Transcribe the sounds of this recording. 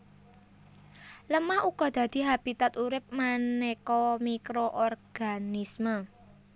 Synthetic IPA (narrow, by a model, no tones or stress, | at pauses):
ləmahukɔd̪̥a̤d̪̥i̤ɦab̥i̤t̪at̪uɾɪp̚manekomikɾoʔɔrɡ̥anismə